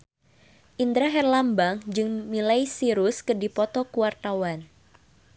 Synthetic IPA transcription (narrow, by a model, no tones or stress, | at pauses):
ʔind̪ɾaɦɛrlambaŋd͡ʒɨŋmilajsiɾʊskədipɔt̪ɔkuwart̪awan